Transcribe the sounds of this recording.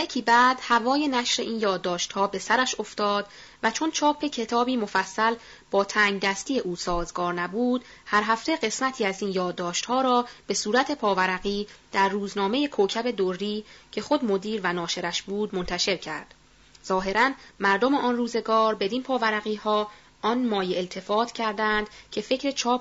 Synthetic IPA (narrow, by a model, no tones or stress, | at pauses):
jecʰiːbæːd̪̥hævɒːje̞næʃɾe̞ʔiːnjɒːd̪ːɒːʃt̪hɒːbe̞sæɾæʃo̞ft̪ɒːd̪ | væt͡ʃʰo̞nt͡ʃʰɒːpʰe̞cʰe̞t̪ʰɒːbiːmo̞fæsːæl | b̥ɒːt̪ʰæːŋɡd̪æst̪iːje̞ʔuːsɒːzɡɒːɾnæbuːd̪̥ | hæɾɦæft̪e̞ɢe̞smæt̪ʰiːæziːnjɒːd̪ːɒːʃt̪hɒːɾɒːb̥e̞suːɾæt̪ʰe̞pʰɒːvæɾæɣiːd̪̥æɾːuːznɒːme̞jekʰocʰæbe̞d̪orːiːcʰe̞xo̞d̪mo̞d̪iːɾvænɒːʃe̞ɾæʃbuːd̪mo̞nt̪ʰæʃe̞ɾcʰæ̰ɾd̪̥ | z̥ɒːɦe̞ɾænmæɾd̪o̞meʔɒnruːze̞ɡɒːɾbe̞d̪inpʰɒːvæɾæɣiːhɒː | ɒnmɒːjeelt̪ʰe̞fɒːt̪ʰcʰæɾd̪ænd̪̥cʰe̞fe̞cʰɾe̞t͡ʃʰɒːp